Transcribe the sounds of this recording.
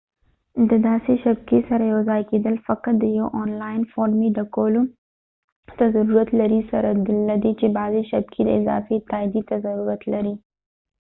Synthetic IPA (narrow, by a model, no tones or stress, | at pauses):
d̪əd̪aːseʃɐb̚kesɐɾajozaːjkeːd̪əlfɐqəɾd̪əjowʔɔːnlaːɪnfɔːɾmiɖɐkoːlo | t̪ɐzɐɾuɾət̪lɐɾisɐɾad̪lɐd̪et͡ʃebaːzeʃɐb̚kʰed̪əɪza̰ːfet̪aːjd̪it̪ɐzɐɾuɾɐt̪lɐɾi